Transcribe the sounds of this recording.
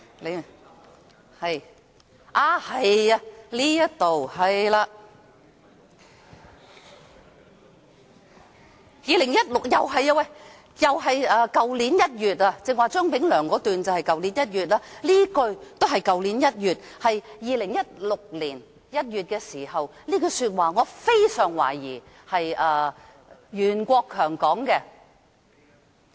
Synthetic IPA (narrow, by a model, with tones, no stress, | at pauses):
l | hɐ˨j | ʔaː˧˩hɐ˨jɐ˧liː˥jɐ˥t̚t̪o˨whɐ˨jlaː˧ | jiː˨lɪ˨˩ŋjɐ˥t̚lʊ˨k̚jɐ˨wɦɐ˨jɐ˧wɐ˨j | jɐ˨wɦɐ˨jɐː˧kɐ˨˧wliː˨˥njɐ˥t̚jyː˨˩t̚aː˧t͡sɪ˨˧ŋwaː˨t͡sœː˥ŋpɪ˨˥ŋlœː˨˩ŋkɔː˨˥t̪yː˨nt͡sɐ˨whɐ˨jkɐ˨wliː˨˥njɐ˥t̚jyː˨t̚laː˥liː˥kɵ˧ɥt̪wɦɐ˨jkɐ˨wliː˨˥njɐ˥t̚jyː˨t̚ | hɐ˨jjiː˨˧lɪ˨˩ŋjɐ˥t̚lʊ˨k̚liː˨˩n | jɐ˥t̚jyː˨t̚kɛː˧siː˨˩hɐ˨wliː˥kɵ˧syː˧t̚waː˨ŋɔː˨˧fe˥jsœː˨˩ŋwa̰ː˨˩jiː˨˩ | hɐ˨jʔɐː˧ | jyː˨˩nkʷɔː˧kʰːœː˨˩ŋkɔː˨˥ŋkɛ˧